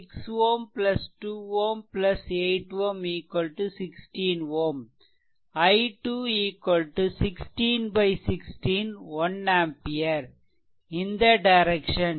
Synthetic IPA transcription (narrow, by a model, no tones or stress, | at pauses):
ksʋoːmplɐsʈuːʋoːmplɐseɪʈʋõmiːkwɐlʈusɪksʈĩːnʋoːm | ɐɪʈuːiːkʋɐlʈusɪksʈĩːnbɐɪsɪksʈĩːnʋɐnæ̃ːmpiɐɾ | ɪ̃nd̪ɐɖɐɪɾɛkʃɐ̃n